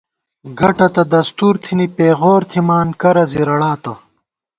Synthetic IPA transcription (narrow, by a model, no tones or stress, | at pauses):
ɡɐʈɐt̪ɐd̪ɐst̪uːɾt̪ʰinipeːɣoːɾt̪ʰimaːnkɐɾɐziɾɐɽaːt̪ɐ